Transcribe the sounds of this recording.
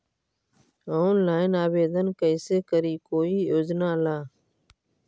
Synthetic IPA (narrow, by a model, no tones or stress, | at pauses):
oːnlaːɪnaːbeːd̪ənkəɪseːkəɾiːkoːiːjoːd͡ʒnaːlaː